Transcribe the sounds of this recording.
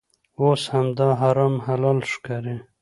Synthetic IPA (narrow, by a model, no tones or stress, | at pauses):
oshamd̪ɑɦaɾɑmhalɑlʂkaɾe